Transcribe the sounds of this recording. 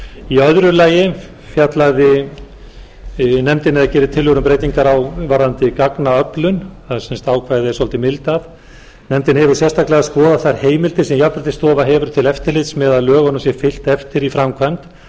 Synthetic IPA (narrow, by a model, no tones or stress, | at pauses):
iœðɾʏlaːjɪ | fjat̪laɣðɪ | nɛmt̪ɪnɛðacɛːɾɪt̪ʰɪlvʏɾʏmpɾejt̪iŋkaɾawvaɾðant̪ɪkaknaœplʏnθaðsɛnst̪aːwkʰvaːjðɪɛɾsɔlt̪ɪmɪlt̪aθ | nɛmt̪ɪnhɛvʏɾ̥sjɛst̪aklɛɣaskɔːðaθaɾ̥heːjmɪlt̪ɪsɛmjap̪at̪ɪst̪ɔːvaɦɛːvʏɾʏt̪ʰɪlɛft̪ɪɾlɪt̪smɛðaðlœːɣɔnʏmsjɛfɪl̥t̪ɛft̪ɪɾifɾamkʰvant̪